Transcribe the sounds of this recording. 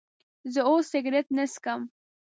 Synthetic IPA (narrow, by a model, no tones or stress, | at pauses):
zəosɪɡɾet̪nəskəm